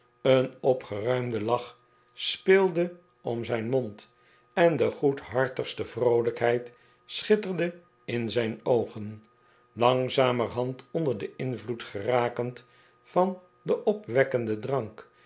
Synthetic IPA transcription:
ənɔpχərœɥmdəlɑχ | spɪːlˠdə | ɔ̰mzɛjnmɔnt | ɛndəχutɦɑɹtəχstəv̥rowləkɦɛjt | sχɪtərdə | ɪnzɛjnowχən | lɑŋzaːmərɦɑntɔndəɹdəɪnvlutχəraːkənt | fɑn | dəʔɔpʋɛkəndədrɑŋk

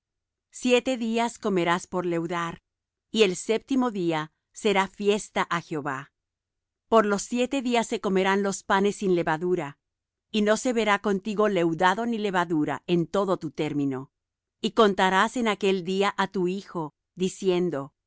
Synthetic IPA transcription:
sje̞t̪e̞ðiasko̞me̞ɾaspo̞ɾle̞wðaɾ | ie̞lse̞p̚t̪imo̞ðia | se̞ɾafje̞st̪aʔaxjo̞βa | po̞ɾlo̞sːje̞t̪e̞ðiasːe̞ko̞me̞ɾanlo̞spane̞sːinle̞βaðuɾa | ino̞se̞βe̞ɾako̞nt̪iɣo̞le̞wðaðo̞nile̞βaðuɾa̰e̞nt̪o̞ðo̞t̪ut̪e̞ɾmĩno̞ | iko̞nt̪aɾase̞nake̞ld̪iaʔat̪uixo̞ | ðisje̞nd̪o̞

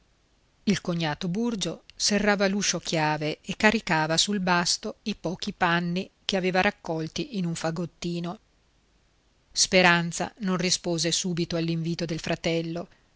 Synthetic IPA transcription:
ilkoɲːaːt̪oburd͡ʒoserːaːvaluːʃokjaːveekːaɾikaːvasulbast̪oipɔːkipanːikeaveːvaɾʔakːɔlt̪iʔinuɱfaɡot̪ːiːno | speɾant̪sa̰nonrispoːzesuːbit̪oalːiɱviːt̪od̪elfɾat̪ɛlːo

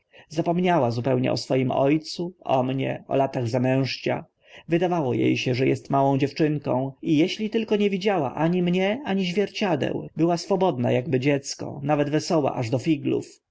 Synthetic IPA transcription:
zapɔmɲawazupɛwɲɛ̰ʔɔsfɔjimɔjt̪suɔmɲɛ̰ɔ̰lat̪aɣzamɛ̃w̃ʂt͡ɕa̰ | vɘd̪avawɔjḛjɕɛʐɛjɛst̪mawɔ̃w̃d͡ʑɛft͡ʂɘŋkɔ̃w̃ijɛɕlʲit̪ɘlkɔɲevʲid͡ʑawa̰ʔaɲimɲɛaɲiʑvʲjɛɾt͡ɕad̪ɛ̰wbɘwasfɔbɔd̪na̰jaɡbɘd͡ʑɛt̪skɔ̰navɛd̪vɛsɔwa̰ʔaʐd̪ɔfʲiɡlṵf

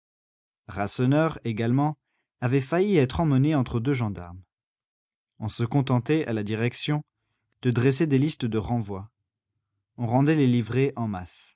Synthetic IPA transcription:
ʁasɔnœʁeɡalmɑ̃ | avɛfajiɛt̪χɑ̃məneɑ̃t̪χəd̪øʒɑ̃d̪a̰ʁm | ɔ̃səkɔ̃t̪ɑ̃t̪ɛʔa̰lad̪iʁɛksjɔ̃ | d̪̥əd̪ʁes̬ed̪elist̪əd̪əʁɑ̃vwa | ɔ̃ʁɑ̃d̪ɛlelivʁeʔɑ̃mas

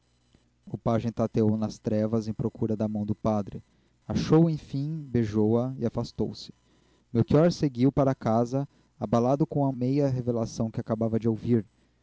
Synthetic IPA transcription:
ʊpaʒẽj̃t̪at̪eownɐst̪ɾɛvɐzẽj̃pɾokuɾɐd̪ɐmɐ̃w̃d̪ʊpad̪ɾɪ | aʃowẽj̃fĩbeʒowɐɪafast̪owsɪ̥ | mewkiɔɾseɡiwpaɾɐakazɐ | abalad̪ʊkõɐmejɐɦevelasɐ̃w̃kɪakabavɐd͡ʒɪowviɾ

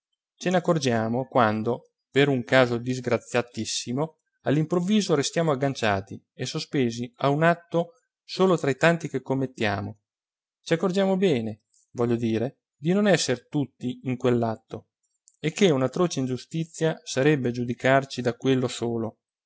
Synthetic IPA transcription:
t͡ʃenakːord͡ʒaːmokwand̪o | peɾuŋkaːzod̪izɡɾat̪sːjat̪isːimo | alːimpɾovːiːzoɾest̪jaːmoaɡːant͡ʃaːt̪i | esospeːziaunat̪ːo | soːlot̪ɾait̪ant̪ikekːomːet̪ːja̰ːmo | t͡ʃiakːord͡ʒjaːmobɛːne | vɔʎːod̪iːɾe | d̪inonɛsːeɾt̪ut̪ːiiŋkwelːat̪ːo | ekʰːeunat̪ːɾoːt͡ʃeind͡ʒust̪it̪sːjasaɾɛbːed͡ʒud̪ikart͡ʃid̪akwelːosoːlo

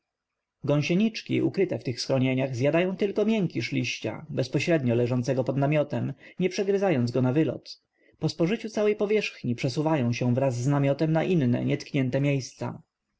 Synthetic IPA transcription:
ɡɔ̃ɲ̃ɕɛɲit͡ʂkʲḭʔṵkɾɘt̪ɛft̪ɘxsxɾɔɲeɲaɣzʲjad̪ajɔ̃w̃t̪ɘlkɔmʲjɛŋkʲiʂlʲiɕt͡ɕa̰bɛspɔɕɾɛd̪ɲɔlɛʐɔnt̪sɛɡɔpɔd̪namʲjɔt̪ɛmɲɛpʂɛɡɾɘzajɔnzɡɔnavɘlɔ̰t̪ | pɔspɔʐɘt͡ɕut̪sawɛjpɔvʲjɛʂxɲipʂɛsuvajɔ̃w̃ɕɛw̃vɾazːnamʲjɔt̪ɛmnaʔinnɛ̰ɲʔɛt̪kɲɛnt̪ɛmʲjejst̪sa̰

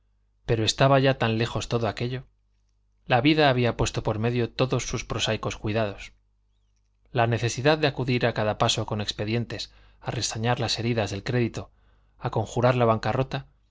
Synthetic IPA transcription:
pe̞ɾoe̞st̪aβaʝat̪anle̞xo̞st̪o̞ðoake̞ʎo̞ | laβiðaːβiapwe̞st̪o̞po̞ɾme̞ðjo̞t̪o̞ðo̞sːuspɾo̞sajko̞skwiðað̞o̞s | lane̞θe̞siðaðd̪e̞akuðiɾakaðapaso̞ko̞ne̞kspe̞ðje̞nt̪e̞s | are̞saɲaɾlase̞ɾiðazðe̞lkɾe̞ðit̪o̞ | ako̞ŋxuɾaɾlaβ̞aŋkaro̞t̪a

